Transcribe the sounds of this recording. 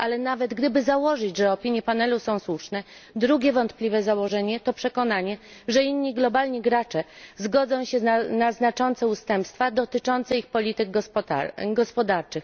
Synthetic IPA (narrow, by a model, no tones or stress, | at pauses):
ʔalɛnavɛd̪ɡd̪ɘbɘzawɔʐɘd͡ʑʐɛɔpʲiɲjɛpanɛlusɔ̃w̃swuʂnɛd̪ɾuɡʲjɛvɔnt̪plʲivɛzawɔʐɛɲɛt̪ɔpʂɛkɔnaɲɛʐɛinːiɡlɔbalɲiɡɾat͡ʂɛzɡɔd̪zɔ̃w̃ɕɛanaznat͡ʂɔnt̪sɛust̪ɛmpst̪fad̪ɔt̪ɘt͡ʂɔnt̪sɛixpɔlʲit̪ɘɡɡ̪ | ɡɔspɔd̪aɾt͡ʂɘx